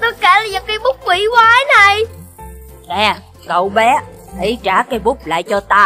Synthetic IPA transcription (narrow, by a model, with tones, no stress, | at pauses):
t̪o˨˦jke˧˩laː˨˩jaː˨˩wkaː˨˦jɓʊ˦˥k͡p̚kwi˧˩˦kwaː˨˦na˨˩j | ŋɛ˨˩ | kə˨˩wɓɛ˨˦ | ʔi˨˩˦t͡ɕaː˧˩kaː˨˦jɓʊ˦˥k͡p̚la̰ː˧˨jt͡ɕɔ˧t̪aː˧